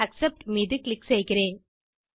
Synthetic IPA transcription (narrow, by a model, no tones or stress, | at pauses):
ɐksɛp̚ʈmiːðɯklɪksɛjɣɪɾeːn